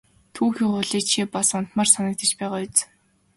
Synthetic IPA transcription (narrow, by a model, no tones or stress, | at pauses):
t̪ʰuːxʲiχʊɮiːkt͡ɕʰipasʊn̥t̪maːrsanə̆k̚t̪ə̆t͡ɕpæːʁaːjʊt͡s